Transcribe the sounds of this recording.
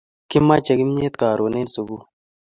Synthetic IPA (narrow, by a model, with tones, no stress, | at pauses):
ki˦mːa˦t͡ʃɛ˨ki˦m˦ɲe˦t̪̚kaː˨ɾo˨ne˦nsu˨ɡu˦